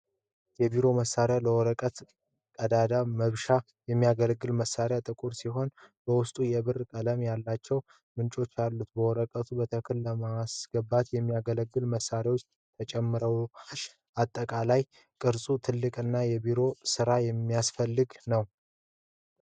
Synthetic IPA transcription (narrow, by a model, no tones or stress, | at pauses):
jɛbiɾo̞məsːaɾjaləwɔɾəkʼət̪ | kʼəd̪ad̪aməβʃa | jɛmːijaɡəlɡːɨlməsːaɾjat̪ʼɨkʼuɾsiɦo̞nb̥əwʊst̪ʼujɛbɨrkʼələmjalːat͡ʃːɛw | mɨnt͡ʃʼo̞t͡ʃːalːut̪bəwɔɾəkʼət̪ʰubət̪ʰəkʰɨlləmasɡ̥əbat̪jɛmːijaɡələɡːɨlməsːaɾawot͡ʃː | t̪ʰət͡ʃʼɛmːɨɾəw | at̪ʼːəkʼalaj | kʼɨɾsʼut̪ʰɨlːɨkʼɨnːajɛbiɾo̞sɨɾajɛmːijasfəlːɨɡnəw